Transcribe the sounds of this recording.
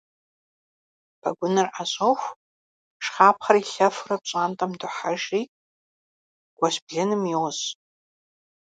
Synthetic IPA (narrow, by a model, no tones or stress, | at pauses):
b̥ʰaɡʷʊnɨrʔaɕʷʼoxʷ | ʂχaːpʰχaɾiɬɐfrap̚t͡ʃʷʼantʼamdʊħaʒi | ɡ̥ʷaʃbɮɪnɨmiws